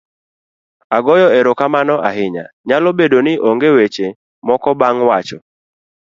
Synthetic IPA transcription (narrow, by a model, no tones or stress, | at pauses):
aɡɔjɔeɾokamanɔʔa̰ɦɪɲa̰ | ɲalobedonɪʔoŋɡewet͡ʃe | mɔkɔbaŋwat͡ʃɔ